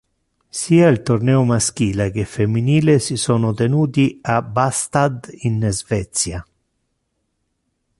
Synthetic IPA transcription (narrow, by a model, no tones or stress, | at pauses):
siːailt̪ornɛːʊmask̟iːlek̟efemːiniːlesisɔːnʊt̪enuːt̪iabast̪ad̪inzvɛt̪sja